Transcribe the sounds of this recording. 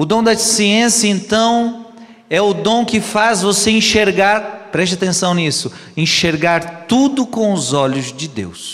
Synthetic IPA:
ʊd̪õw̃d̪ɐsiẽsjɐẽnt̪ɐ̃w̃ | ɛʊd̪õw̃kɪfazvoseĩʃeɾɡaɾpɾɛʃt͡ʃat̪ẽsɐ̃w̃nisʊ | ẽʃeɾɡaɾt̪ud̪ʊkõw̃ʊzɔʎʊzd͡ʒɪd̪ḛws

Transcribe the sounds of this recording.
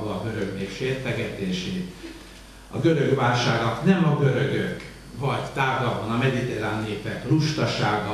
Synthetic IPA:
oɒɡø̞ɾøɡmeːkʃeːrt̪ɛɡɛt̪eːʃeːt̪ | ɒ̰ɡøɾøɡʋaːlʃaːɡ̪ɒknɛmɒɡø̞ɾøɡøk | vɒɟt̪aːɡɒbɒnɒmɛd̪it̪eɾaːnːeːpɛt̪ruʃt̪ɒʃaːɡɒ

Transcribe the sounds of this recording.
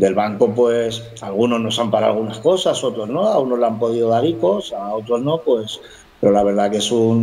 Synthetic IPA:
d̪e̞lβaŋko̞pwe̞s | alɣ̞uno̞zno̞sampaɾa̰ɣunasko̞saso̞t̪ɾo̞zno̞auno̞zlampo̞ð̞iðo̞ðaɾiko̞sao̞t̪ɾo̞zno̞pwe̞s | peɾo̞laβe̞ɾð̞ake̞sun

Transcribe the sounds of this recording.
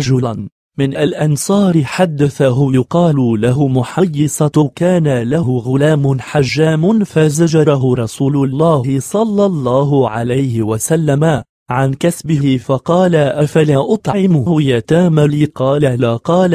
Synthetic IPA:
ɑd͡ʒʊla | mɪnʔalʔɑnsˤɑːɾħad̪ːaθaɦʊjʊqɑːlʊlaɦʊmʊħajːɪsaʊkaːnalaɦʊɣʊlaːmʊnħaʒːaːmʊnfazad͡ʒɑɾˤɑɦʊɾˤɑsuːlʊlˤːɑːhhɪsˤɑlːɑlˤːɑːɦʊʕa̰lajhɪwasalːama | ʕankasbɪɦɪfɑqɑːlaʔafalaːʔɑt̪ˤʕʕɪmʊhʊjaːt̪aːmaliːqɑːlalaqɑːl

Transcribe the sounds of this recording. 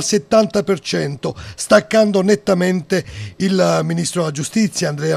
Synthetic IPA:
lset̪ːant̪apert͡ʃɛnt̪ost̪akːand̪onet̪ːament̪eilminist̪ɾolad͡ʒust̪it̪sːjaːnd̪ɾɛa

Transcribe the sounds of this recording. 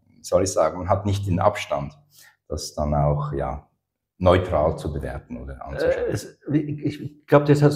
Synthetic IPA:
z̥ɔlɪçz̥aːɡŋ̩manɦatnɪçt̚d̥enʔa̰pʃtant | d̥asd̥anaʊxja̰ː | nɔʏtʁ̥aːlt͡subəvɛ̰ːɐtn̩o̰ːdəʔa̰nt͡suʃɛɛsɪɡ̥laʊb̚d̥ɛsha

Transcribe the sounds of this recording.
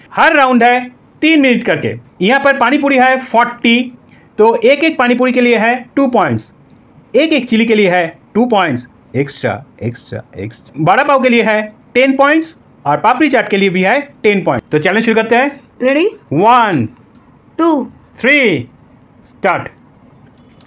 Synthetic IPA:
hɐɾːãːʊ̃ɳɖɦɛ | t̪iːnmɪnɪʈkɐɾkḛːjɐɦãpɐɾpaːɽ̃ipuːɾiɦɛfɔːɾʈːi | t̪oːʔeːkeːk̚paːɽ̃ip̬uːɾikelieɦɛʈuːpɔ̃ːɪ̃ɳʈs | eːkeːkt͡ʃilikelieɦɛʈuːpɔ̃ːɪ̃ɳʈs | eksʈɾa̰eksʈɾa̰ḛksbaːɽapaːũk̬elieɦɛʈeːnpɔ̃ːɪ̃ɳʈs | ɔːɾpaːpɾit͡ʃaːʈkeliebʱiɦɛʈeːnpɔ̃ːɪ̃t̪ot͡ʃɛːlə̃d͡ʒʃʊɾukɐɾt̪eɦɛːtɾeɽiʋɐn | ʈuː | t̪ʰɾiː | sʈaːɾʈ

